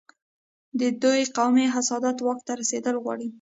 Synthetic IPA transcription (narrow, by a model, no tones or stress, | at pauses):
d̪əd̪ojqawmiɦasɑd̪at̪wɑkt̪aɾased̪əlɣwɑ̰ɽi